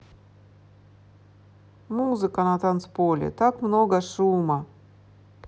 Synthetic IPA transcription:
muzɨkənat̪anspolʲɪ̰t̪akmnoɡəʂumɐ

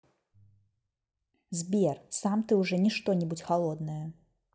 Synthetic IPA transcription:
zbʲɛrsamt̪ɨuʐɛnʲiʂt̪ɔnʲibut͡sʲxalˠɔd̪nɐjɐ

